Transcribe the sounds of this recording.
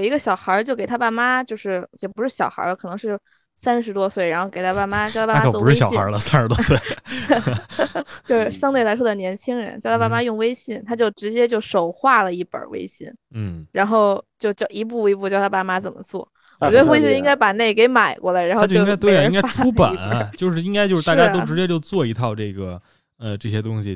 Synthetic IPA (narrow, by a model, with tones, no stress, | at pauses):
i˧˥ɡə˧˩ɕjɑ˨˩ʊxə˧˥t͡ɕjo˥˩ke˨˩ɪt̪ʰa˥pa˥˩ma˥t͡ɕjo˥˧ʊʂɻ̩˥˩jɛ˨˩pu˧˥ʂɻ̩˥˩ɕjɑ˨˩ʊxə̰˞˧˥lə˧kʰɤ˨˩nɤ˧˥ŋʂɻ̩˥˩ | sa˥nʂɻ̩˧˥t̪wɔ˥swe˥˩ɪɻa˧˥nxo˥˩ʊke˨˩ɪtʰa˥pa˥˩ma˥t͡ɕjt̪ʰa˥a˥maku˦˥ɻ̩˥˩˥ɕɑ˨˥˩i˥ə̰˧˥lə˧sa˥nʂɻ̩˧˥t̪wɔ˥swe˥˩ɪ | t͡ɕjo˥˧ʊʂɻ̩˥˧˩ɕjɑ˥ŋt̪we˩ɪla˧˥ɪʂwɔ˥d̪ə˨˩njɛ˧˥nt͡ɕʰi˥ŋɻə̰˧˥nt͡ɕɑ˥˧t̪ʰa˥pa˥˩ma˥jʊ˥˩˧ŋwe˥ɪɕi˥˩nt̪ʰa˥t͡ɕjo˥˩ʊʈ͡ʂɻ̩˧˥t͡ɕjɛ˥t͡ɕjo˥˩ʊʂo˨˩ʊxwa˥˩lə˩i˥˩pə̰˞˨˩wḛ˥ɪɕḭ˥nn̩˥˩ɻa˧˥nxo˥˧ʊt͡ɕjo˥˧ʊt͡ɕjo˥˩ʊʔi˧˥p̬u˥˩i˧˥p̬u˥˧t͡ɕjʊt̪ʰa˥pa˥˩ma˥t͡sə˨˩mə̰˦t͡swɔ̰˥˩ | wɔ˨˩t͡ɕɥɛ˧˥ə˧we˥ɪɕi˥˧i˥ŋka˥ɪpa˨˩ne˥˩ɪke˧˥ɪma˨˩ɪkwɔ˥˩la˨˩ɻa˧˥nxo˥joi˥˧˥ŋ˥a˥t̪wɪ˥˨i˥ŋka˥tʰu˥pə̰˨˩˦nɐ˦t͡ɕt͡ɕjo˥˧ʊʂɻ̩˥˧˩i˥ŋka˥ɪt͡ɕjʂɻ̩˥˧t̪t͡ɕja˥o˥ʊʈ͡ʂɻ̩˧˥t͡ɕjɛ˥t͡ɕjo˥˧ʊt͡swɔ˥˩i˧˥t̪ʰɑ˥˧ʊʈ͡ʂɤ˥˩ɡə˩ | ə˧ʈ͡ʂɤ˥˩ɕjɛ˥t̪ʊ˥ŋɕi˨